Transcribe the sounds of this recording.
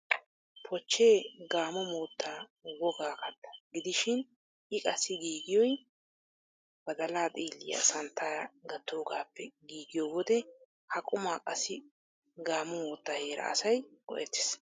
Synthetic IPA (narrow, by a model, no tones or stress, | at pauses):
pʰɔt͡ʃːeːɡaːmɔmo̞ːt̪ʰːaːwɔɡaːkɐt̪ːɐ̥ɡɪd̪ɪʃɪn | ʔɪkʼɐsːɪɡiːɡɪjɔj | bɐd̪ɐlaːt̪ʼiːlːɪ̰jɐ̰sɐnt̪ːaːɾɡɐt̪ːo̞ːɡaːpʰːɛɡiːɡɪjoːwɔd̪ɛ | hɐkʼʊmaːkʼɐsːɪ | ɡaːmɔmoːt̪ːaːhe̞ːɾɐ̰ʔɐ̰sɐjkɔ̰ʔɛt̪ːɪ̥s